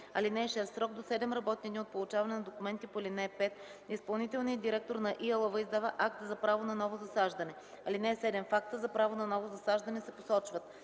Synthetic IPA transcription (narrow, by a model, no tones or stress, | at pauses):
ɐ̰linɛːʃɛst̪sɾɔɡd̪osɛd̪ɛmɾɐbɔt̪̚niɛd̪ʲiot̪̚polˠʊt͡ʃavɐnɛnɐd̪okʊmɛnt̪ipolinɛpɛt̪ | ispɐlˠnit̪ɛlˠniəd̪d̪iɾɛk̚t̪oɾnɐʔiɐlˠovəizd̪avəʔak̚t̪zɐpɾavonɐnɔvozɐsaʒd̪ɐnɛ | ɐlinɛɛsɛd̪ɛmfak̚t̪əzɐpɾavonɐnɔvozɐsaʒd̪ɐnɛsɛposɔt͡ʃvət̪